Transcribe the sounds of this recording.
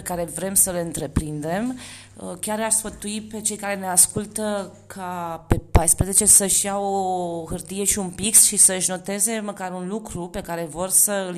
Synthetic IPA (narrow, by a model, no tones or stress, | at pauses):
ekaɾe̞vɾe̞msəleɨnt̪ɾe̞pɾind̪e̞m | əkʲaɾaʃsfət̪uipe̞t͡ʃe̞jkaɾe̞ne̞askult̪ə | kʰape̞pajspɾeze̞t͡ʃe̞səʃjawoɦɨrt̪ije̞ʃiunpiksʃisəɨʃno̞t̪e̞ze̞məkaɾunlukɾupe̞kaɾe̞vo̞rsəɨl